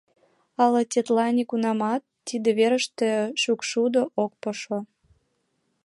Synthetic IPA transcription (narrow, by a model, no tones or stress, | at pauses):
ɑlɤtʲet̪lɑnʲikunɑmɑt̪ːid̪ĕβeɾə̆ʃt̪eʃukʃud̪oʔok̚poʃo